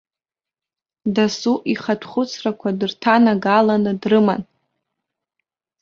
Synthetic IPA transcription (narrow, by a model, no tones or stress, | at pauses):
dasuʔiχatʰχʷʊt͡sʰrakʷʰadɨrtʰanaɡalanɨdrɨman